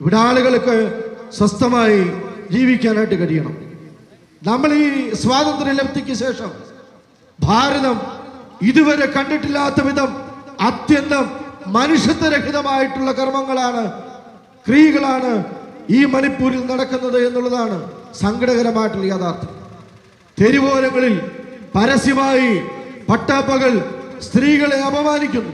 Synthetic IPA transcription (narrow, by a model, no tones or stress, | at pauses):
iʋiɽaːɭuɣɐɭkːɨswɐst̪ɐmaːjid͡ʑiːʋikʲːaːnaːjiʈːɨkɐɽijɐɳɐ̰m | nɐmːɐɭiːsʋaːd̪ɐnd̪rilebɐt̪ːikʲːɐɕe̞ːʂɐm | bʱaːɾɐðɐmiðuʋɐɾe̞kɐɳɖiʈːilːaːt̪ːɐʋiðɐmɐt̪jɐnːɐmːɐnuʂjɐt̪ːɐɾɐkʰiðɐmaːjiʈːuɭːɐkɐrmɐŋːɐɭaːɳɨ | krijɐɣɐɭaːɳɨiːmɐnipːuːɾɐlnɐɽɐkːunːɐðɨenːuɭːɐðaːɳɨsɐŋɡɐɽɐɣɐɾɐmaːjiʈːulːɐjaːðaːrt̪ʰɐ | t̪e̞ɾiʋo̞ːlɐŋːɐɭilpɐɾɐsimaːjipɐʈːaːpːɐɣɐɭst̪riːɣɐɭe̞ɐbɐmaːnikʲːunːu